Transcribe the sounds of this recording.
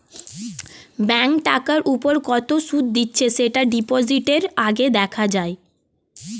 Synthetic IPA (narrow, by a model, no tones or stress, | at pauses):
bɛŋkʈakaɾʔupoɾkɔt̪oʃud̪̚d̪itːɕʰeʃeʈaɖipod͡ʑiʈeɾaɡed̪ɛkʰad͡ʑae